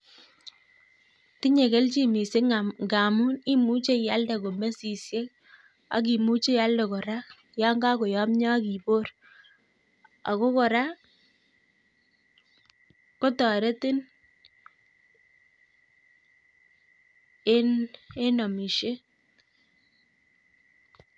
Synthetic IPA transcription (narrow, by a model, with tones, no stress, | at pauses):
ti˦ɲe˨ke˦lt͡ʃi˦mi˨se˦ŋɡa˨mu˦ni˦mu˦t͡ʃe˦ja˦lda˨ko˨me˦si˨sje˦k̚ | a̰˨k̬i˨mu˦t͡ʃe˦ja˦lde˨kɔ˨ɾa˦k | ja˦ŋɡa˦kɔ˨jɔ˦mɲɔ˦ki˨bo˦r | a̰˨ko˦kɔ˨ɾa˦ | ko˦tɔ˨ɾe˦tɪ˦n | e˦ne˦nɔ˨mi˨ʃe˦